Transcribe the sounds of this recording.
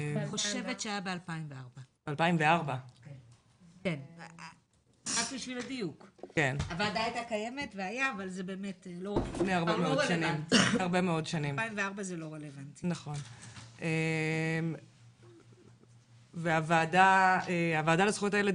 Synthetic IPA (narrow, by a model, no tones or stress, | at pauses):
eχoʃevetʃeajabealpaimveaʁbabealpaimveaʁba | ken | ʁakbiʃviladijukkenavaːdaajtakaje̞me̞tveajaːvalzebe̞ːmetlolifneaʁbemeodʃanimifhaʁbemeo̞dʃanimimveaʁbazelo̞ʁelevantinaχo̞nem | veavaːdaeavaːdalesχuojotaele